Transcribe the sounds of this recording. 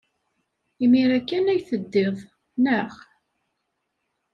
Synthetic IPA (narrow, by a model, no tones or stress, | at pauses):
imiɾækːænæjθəd̪ːeðˤ | nəχ